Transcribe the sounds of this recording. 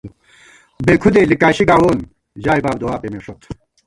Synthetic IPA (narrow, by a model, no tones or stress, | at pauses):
beːkʰud̪elikaːɕiɡaːwoːn | d͡ʑaːibaːbd̪owaːpemeʂot̪